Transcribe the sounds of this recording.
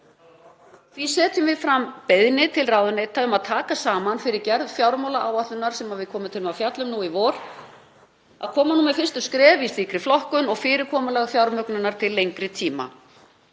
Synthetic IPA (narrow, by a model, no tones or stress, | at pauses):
visɛːt̪ʏmvɪðfɾampeðnɪt̪ʰɪlraːwðʏnet̪ʰaʏmaðt̪ʰaːkasaːmanfɪɾɪɾcɛɾðfjawɾmawlaʔaːwaht̪ʏnːaɾ̥sɛmaðvɪðkʰɔːmʏt̪ʰɪlmawfjat̪lʏmnuivɔːɾ | a̰ðkʰɔːmanumɛfɪrst̪ʏskɾɛːvist̪iːkɾɪflɔhkʏnɔɣfɪːɾɪɾkʰɔːmʏlɛɣfjawɾmœknʏnaɾ̥t̪ʰɪlːejŋkɾɪt̪ʰiːma̰